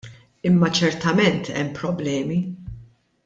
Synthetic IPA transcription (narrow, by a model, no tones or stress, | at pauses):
ɪmːɐt͡ʃɛɾt̪ɐmɛnt̪ʰɛ̰mːpɾɔblɛːmi